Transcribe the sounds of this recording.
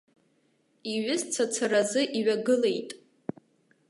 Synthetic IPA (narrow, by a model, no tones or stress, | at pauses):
iɥɪzt͡sʰat͡sʰarazɨʔiɥaɡɨle̞jtʼ